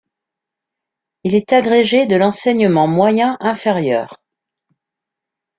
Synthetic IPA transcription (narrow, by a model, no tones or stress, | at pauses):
ilɛt̪aɡʁeʒed̪əlɑ̃sɛɲəmɑ̃mwajɛ̃ʔɛ̃feʁjœːʁ